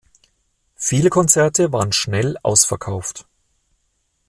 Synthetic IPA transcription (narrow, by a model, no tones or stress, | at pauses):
fiːləkʰɔnt͡sɛɐtəvaːʁənʃnɛlʔa̰ʊsfɛɐkʰaʊft